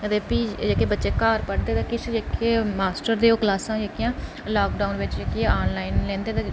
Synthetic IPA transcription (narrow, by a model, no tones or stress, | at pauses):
ət̪eːpiːd͡ʒeːkeːbətːʃeːkaːɾpəɽd̪eːt̪ãːkɪt͡ʃd͡ʒeːkʰeːmaːsʈəɾd̪eːoːklaːsãːd͡ʒekɪjãː | laːkɖaːʊnʋɪt͡ʃd͡ʒekiãaːnlaːɪnlɛ̃ːnd̪eːt̪ã